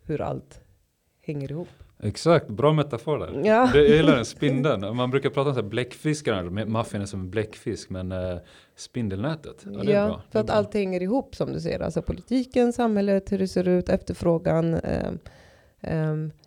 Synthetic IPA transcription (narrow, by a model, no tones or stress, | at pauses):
hɵɾa̰lt̪ | hɛŋːəɾɪhuːpːɛksak̚t̪bɾɑːmɛt̪afoːɾɖæ̰ɾjɑːd̪ɛjajɪlːaɾɛnspɪnd̪ənmanbɾʉ̟ːkaɾpʰɾɑːt̪aɔmsæːɾblɛkːfɪskɾanʂəmɛmafənɛsɔmɛnblɛkːfɪskmɛn | spɪnd̪əlnɛːt̪ət̪æ̰jdɛɑ̰ːfœɾat̪alt̪hɛŋːəɾɪhuːpːsɔmd̪ɵsɛjːə̰ɾa̰lsɔpʰʊlɪt̪ʰiːkənsamhɛlːət̪hɵɖɛseːɾʉ̟ːt̪ɛft̪əɾfɾoːɡan̰